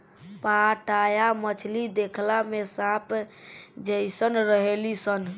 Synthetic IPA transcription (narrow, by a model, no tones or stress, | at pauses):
paʈajamət͡ʃʰlid̪ekʰlamesãp | d͡ʒəjsənɾəɦelisən